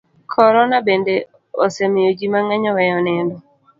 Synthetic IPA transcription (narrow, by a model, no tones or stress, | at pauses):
kʰɔɾɔnabende | osemɪjod͡ʒimaŋɛɲɔwɛjɔnɛndɔ